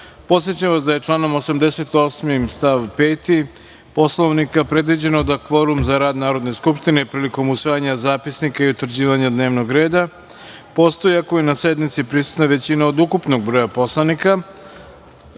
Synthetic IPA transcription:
po̞t̪sje̞t͡ɕamʋasd̪aje̞t͡ʂlˠaːno̞mo̞samd̪e̞se̞t̪o̞smimst̪aʋpeːt̪i | po̞slo̞ʋnikapɾe̞d̪ʋid͡ʑe̞nod̪akfo̞ɾumzaɾaːd̪naːɾo̞d̪ne̞skupʂt̪ine̞pɾiːliko̞musʋajaɲazaːpisnikaiut̪r̩d͡ʑiːʋaɲad̪ne̞ːʋno̞ɡɾe̞ːd̪a | po̞ːtst̪o̞jiakojenase̞d̪mit̪sipɾisu̥t̪naʋe̞t͡ɕinaod̪ukupno̞ɡ̚bɾo̞ːjapo̞slˠanika

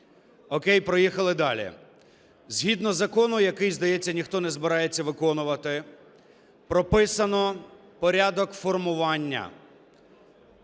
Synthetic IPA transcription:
ɔkɛjpɾɔjixɐlˠɪd̪ɑlʲḭ | zʲɦʲid̪nɔzɐkɔnʊjɐkɪjzd̪ɐjɛt͡sʲːɐnʲixt̪ɔnɛzbɪɾɑjet͡sʲːɐʋɪkɔnʊʋɐt̪ɪ | pɾɔpɪsɐnɔ | pɔɾʲad̪ɔkfɔrmʊʋɑnʲːɐ̰

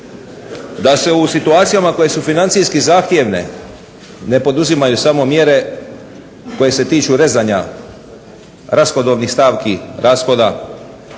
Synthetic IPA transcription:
d̪ase̞usit̪uaːt̪sijamako̞je̞sufinant̪sijskizaːxt̪je̞ʋne̞̰ | ne̞po̞d̪uzimajusamo̞mje̞ɾe̞ | ko̞je̞se̞t̪iːt͡ʃuɾe̞zaɲa | ɾaspod̪o̞ʋnixst̪aːʋkiɾʔaspo̞d̪a

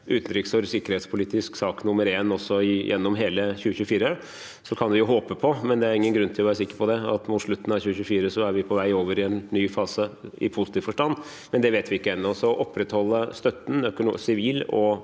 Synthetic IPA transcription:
ʉːt̪nɾʏksfɔɾsɪkːəɾhɛːt̪spʰʊliːt̪ɪsksɑːknʊmːəɾeːnɔsːɔɪjʔɛ̰nːɔmɦeːləçʉːəçʉːəfiːɾə | sɔkʰɑndʋɪjʊɦoːpəpʰɔmɛnd̪ɛæɾɪŋːənɡɾʉnːt̪ʰɪlɔʋæːɾsɪkːəɾpʰɔd̪ɛɑ̰t̪mʊt̪ʂɭʉt̪ːn̩ɑçʉːəçʉːfiːɾəsɔæɾʋɪpʰɔʋæɪoːʋəɾɪɛnːyːfɑːsəɪ̰pʰʊsɪt̪ʰiːʋfɔʂʈɑnː | mɛnd̪ɛʋeːt̪ʋɪɪkːəɛnːɔsɔʔɔpːɾɛt̪hɔlːəst̪œt̪ːn̩œkʊnsɪʋiːlɔ

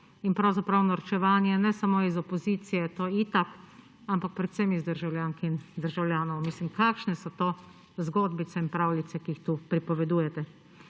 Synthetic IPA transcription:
inpɾawzapɾawnaɾt͡ʃɛʋaːnjɛnɛsamoːizɔpɔziːt̪sijɛt̪oit̪ak | ampak̚pɾɛt̪sɛmizd̪əɾʒawlʲjaːŋkind̪əɾʒawlʲjaːnɔwmislimkaːkʃnɛsɔt̪oː | zɡoːd̪bit̪sɛinpɾaːwlit̪sɛkiixt̪upɾipɔʋɛd̪uːjɛt̪ɛ

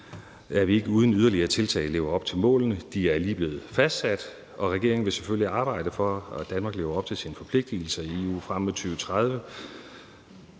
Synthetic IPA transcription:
æʋie̝ɡ̥əuːð̞ˠən̩yð̞ˠɐliɐt͡sʰe̝lt͡sʰɛ̰ːɪle̝ːʊɐɒ̽b̥̚t͡sʰe̝lmɔ̰̽ːln̩əd̥iæɐliːb̥le̝ːð̞̩ˠfæsd̥sæd̥ | ɒ̽ʁɛɡ̥e̝ɐeŋ̩ʋe̝sefølliɑ̈ːb̥ɑ̈ɪ̰ɾ̥əfɒ̽æd̥ænmɑ̈ːɡ̥le̝ːʊɐɒ̽b̥̚t͡sʰe̝lsinəfɒ̽pʰle̝ɡ̥̚d̥il̩sɐieṵːfʁam̰met͡sʰyːʊət͡sʰʁað̞ˠʋə

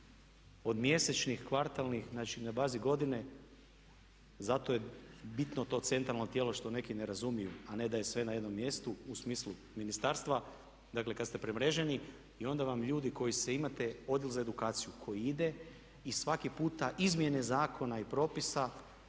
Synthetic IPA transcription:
o̞d̪mje̞set͡ʃnixkʋaɾt̪alˠnixnat͡ʃinabaːziɡo̞d̪ine̞ | zat̪o̞jebit̪not̪o̞ːt̪se̞nt̪ɾalˠno̞t̪jelo̞ʃt̪o̞ne̞kine̞ɾazumijuane̞d̪ajesʋe̞najed̪no̞mːje̞st̪uusmiːslu | minist̪aːɾst̪ʋa | d̪akle̞kad̪st̪e̞pɾemɾe̞ʒeni | io̞nd̪aʋamʎuːd̪iko̞jiseimat̪e̞o̞d̪jilzaed̪ukaːt̪sijukʰo̞jiid̪e̞ | isʋakipuːt̪aʔizmje̞ne̞zaːko̞naipɾo̞pisa

